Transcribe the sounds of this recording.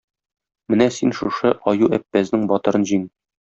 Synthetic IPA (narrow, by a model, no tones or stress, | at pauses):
mɘnæsinʃuʃɤʔɒjuæpːæznɘŋbɒt̪ɤ̆ɾɤnʑiŋ